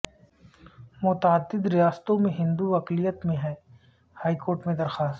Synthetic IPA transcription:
mʊt̪aːd̪ːɪd̪ɾɪjaːst̪õmẽɦɪ̃nd̪uʋɐklijət̪mẽɦɛː | haːikoːɾʈmẽd̪ɐɾxaːst̪

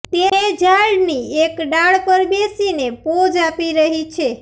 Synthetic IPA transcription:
t̪eed͡ʒaɭniekɖaɭpəɾbesinepod͡ʒapiɾəɦit͡ʃʰe

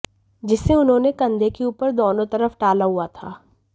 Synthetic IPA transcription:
d͡ʒɪsːeʊnɦõːnekɐ̃nd̪ʱekeuːpəɾd̪oːnõt̪ɐɾəfʈaːlaɦuat̪ʰa̰ː

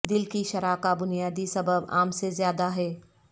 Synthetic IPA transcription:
d̪ɪlkiʃɐɾaːkabʊnijaːd̪isɐbəba̰ːmsezjaːd̪aɦɛː

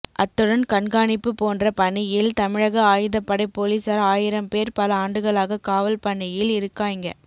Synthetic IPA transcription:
ʔɐt̪ːɯɽɐnkɐɳɡaːnɪpːɯpoːndrɐpɐɳːɪjɪlt̪ɐmɪɻɐɣɐaːjɯðɐpːɐɽɐɪpːoːlisɐɾaːjɪɾɐmpeːɾpɐlɐaːɳɖɯɣɐɭaːɣɐkaːʋɐlpɐɳːɪjɪlɪɾɯkːaːɪŋɡɐ̰

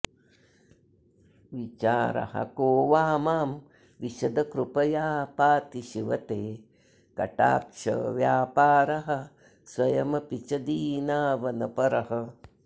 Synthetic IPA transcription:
ʋit͡ʃaːɾɐ̰hɐ̰koːʋaːmaːm | ʋiʃɐd̪ɐkɾupɐjaːpaːt̪iʃiʋɐt̪eː | kɐʈa̰ːkʂɐ̰ʋjaːpaːɾɐɦɐ̆ | swɐjɐmɐpit͡ʃɐd̪iːnaːʋɐnɐpɐɾɐɦɐ̆

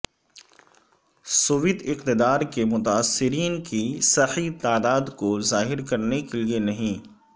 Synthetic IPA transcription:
sʊʋɪd̪ɪqt̪ɪd̪aːɾkemʊt̪aːsːɪɾiːnkisɐħit̪aːd̪aːd̪kozaːɦɪɾkɐɾnekelienɐɦĩː

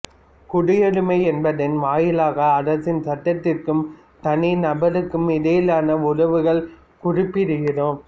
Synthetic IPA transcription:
kʊɽɪjɐɽɯmɐɪɛnbɐðɪnʋaːjɪlaːɣɐːɾɐsɪnsɐʈːɐt̪ːɪrkɯm | t̪ɐnɪnɐbɐɾɯkːɯmɪðejlaːnɐʊɻɐʋɯɣɐɭ | kʊrɪpːɪɾɯɣɪroːm

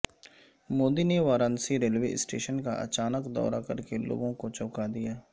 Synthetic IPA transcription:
moːd̪iːneʋaːɾənsiːɾelʋḛːsʈeːʃənka̰ʔə̰t͡ʃaːnəkd̪ɔ̰ːɾaːkəɾkelo̰ːɡõkot͡ʃɔːkaːd̪ɪjaː

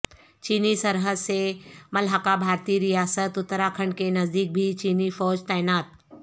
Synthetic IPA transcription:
t͡ʃiːnisɐɾɦəd̪semɐlɦakabʱaːɾt̪iɾijaːsət̪ʊt̪ːəɾakʰəɳɖkenɐzd̪iːk̚bʱit͡ʃiːnifɔːd͡ʒt̪aːɪnaːt̪̚

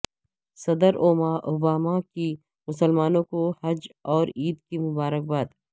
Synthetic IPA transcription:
sɐd̪əɾoːmaʔobaːmaki | mʊsəlmaːnõkohɐd͡ʒɔːɾiːd̪kimʊbaːɾək̚baːd̪

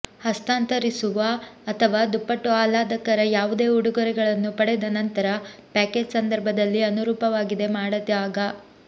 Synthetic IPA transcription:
hɐst̪aːnt̪ɐɾisuʋɐːt̪ʰɐʋaːd̪upːɐʈːuaːlaːd̪ɐkɐɾɐjaːʋud̪e̞ːuɽuɡɔɾɛɡɐɭɐnːupɐɽɛd̪ɐnɐnt̪ɐɾɐpaːkeːd͡ʒsɐnd̪ɐɾbʱɐd̪ɐlːiɐnuɾuːpɐʋaːɡid̪e̞maːɽɐt̪aːɡɐ

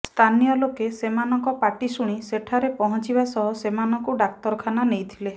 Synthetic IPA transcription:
st̪ʰanijɔlokesemanɔŋkɔpaʈisuɽ̃iseʈʰaɾepɔɦɔnt͡ʃibasɔɦɔsemanɔŋkuɖak̚t̪ɔɾkʰananejt̪ʰile

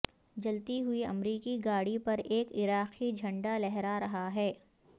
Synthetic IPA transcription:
d͡ʒɐlt̪iɦʊiɐmɾiːkiɡaːɽipɐɾeːkɪɾaːqid͡ʒʱɐ̃ɳɖalɛɦɾaɾɐɦaɦɛː

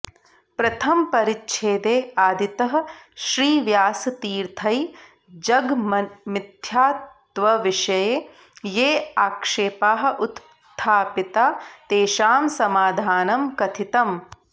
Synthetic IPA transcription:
pɾɐt̪ʰɐmpɐɾitːʃʰeːd̪eːaːd̪ʱit̪ɐɦɐ̆ʃɾiːʋjaːsɐt̪iːɾt̪ʰɐj | d͡ʒɐɡmid̪jaːt̪ | ʋɐʋiʃɐjeː | jeːaːkʂeːpaːɦɐ̆ʔut̪ | t̪ʰːaːpit̪aːt̪eːʃaːmsɐmaːd̪ʱaːnɐmkɐt̪ʰit̪ɐm

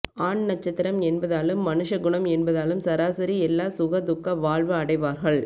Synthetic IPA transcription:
aːɳnɐt͡ʃːɐt̪ːɪɾɐmɛnbɐðaːlɯmːɐnɯʂɐɡʊɳɐmɛnbɐðaːlɯmsɐɾaːsɐɾiɛlːaːsʊɣɐd̪ʊkːɐʋaːɭʋɐɐɽɐɪʋaːɾɣɐɭ

